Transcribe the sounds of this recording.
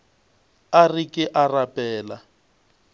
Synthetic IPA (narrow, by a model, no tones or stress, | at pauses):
arikʼɪʔarapʼɛːla